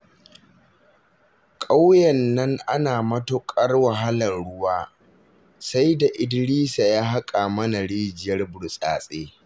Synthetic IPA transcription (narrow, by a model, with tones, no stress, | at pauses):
kʼa˦wjɐ˨nːɐ˦ŋʔa˦naː˨mɐ˦tʊ˦kʼɐ˦rwa˨ɦa˦lɐ˨nɽʊ˦waː˦ | sa˦jda˨ʔɪ˨˦dɽiː˦sa˨jaː˦ɦa˦kʼa˨mɐ˦na˨ɽiː˦d͡ʒɪ˨jɐ˦rbʊ˨ɽsʼaː˨sʼeː˦